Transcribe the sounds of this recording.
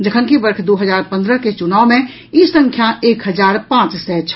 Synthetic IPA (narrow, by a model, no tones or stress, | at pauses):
d͡ʒəkʰənkibəɾkʰd̪oːɦəd͡ʒaːɾpə̃nd̪ɾəket͡ʃʊnaːʊmẽ | isə̃ŋkʰjaeːkɦəd͡ʒaːɾpãːt͡ʃsɛt͡ʃʰ